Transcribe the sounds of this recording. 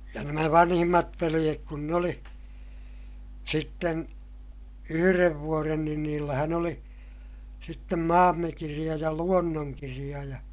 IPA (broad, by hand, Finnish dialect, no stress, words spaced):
jɑ næmæ ʋɑnhimːɑt ʋelij̆ek kun n oli sitːen yhyreʋ ʋuoren niːn niːlːæhæn oli sitːem mɑːmːekirij̆ɑ jɑ luonːoŋkirij̆ɑ jɑ